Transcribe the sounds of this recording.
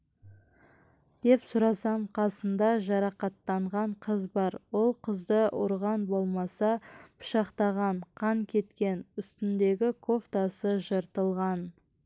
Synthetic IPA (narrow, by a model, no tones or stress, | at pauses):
d̪̥e̞psʊɾɑsɑmqʰɑsənd̪ɑʒɑɾɑqɑt̪ːɑɴʁɑɴqʰəzbɑɾwo̞lˠqʰəzd̪əʔʊ̰ɾʁɑnbo̞lˠmɑsɑpʰʊ̥ʃɑqt̪ɑʁɑɴqʰɑŋkʲʰe̞t̪kʲe̞nʏst̪ɪnd̪e̞ɡʲɪkʰo̞ft̪ɑsəʒəɾt̪əlˠʁɑn